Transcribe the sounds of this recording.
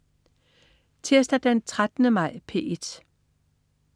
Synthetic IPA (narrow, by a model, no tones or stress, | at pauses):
t͡sʰeɐsd̥æd̥ent͡sʰʁad̥nəmɑ̈ɪ̰pʰḛːed̥